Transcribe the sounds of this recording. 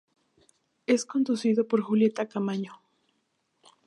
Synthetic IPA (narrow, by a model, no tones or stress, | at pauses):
eskond̪usiðopoɾxuljet̪akamaɲo